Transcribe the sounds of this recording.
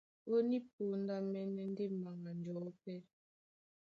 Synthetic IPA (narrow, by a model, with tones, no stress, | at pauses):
o˦ni˦p̚o˨˦n˦da˦mɛ˦nɛ˦n˦de˦ma˨ŋa˨n˨d͡ʒɔ˨˦pɛ˦